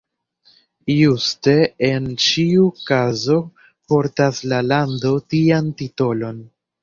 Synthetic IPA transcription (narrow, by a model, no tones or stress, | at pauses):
juste̞ent͡ʃiukazo̞ | po̞ɾtaslalando̞tiantito̞lo̞n